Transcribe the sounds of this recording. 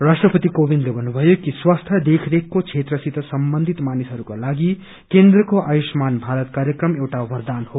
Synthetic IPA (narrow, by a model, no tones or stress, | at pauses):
rasʈrʌpʌt̪ikobinɖlebʱʌnːubʱʌjokiswast̪ʰjʌd̪ekʰɾekːot͡sʰet̪rʌsit̪ʌsʌmbʌnd̪ʱit̪manisɦʌɾukolaɡi | kend̪rʌkoʔajusmanbʱaɾʌt̪kaɾjekrʌmewʈaʋʌrd̪anho